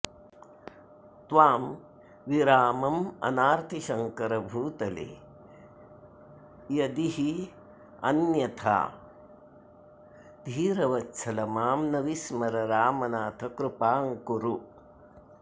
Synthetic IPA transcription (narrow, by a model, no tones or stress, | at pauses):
t̪ʋaːm | ʋiɾaːmɐmɐ̰naːɾt̪ʰiʃɐŋkɐɾɐbʱuːt̪ɐlḛː | jɐd̪iɦi | ɐ̰njɐt̪ʰa̰ː | d̪ʱiːɾɐʋɐtːʃʰɐlɐmaːmnɐʋismɐɾɐɾaːmɐnaːt̪ʰɐkɾupaːŋkuɾu